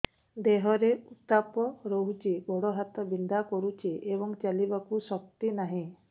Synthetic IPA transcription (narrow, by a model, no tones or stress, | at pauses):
d̪eɦɔɾeut̪apɔɾɔɦut͡ʃibɔɽɔɦat̪ɔbind̪akɔɾut͡ʃʰiebɔŋt͡ʃalibakusɔk̚t̪inaɦĩ